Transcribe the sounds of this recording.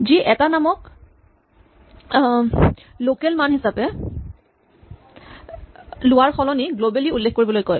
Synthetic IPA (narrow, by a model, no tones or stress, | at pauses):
ziʔɛtanamɔk | lokɛlmanɦisapɛ | lʊwaɹxɔlɔniɡlobɛliulːexkoɹibɔlojkoj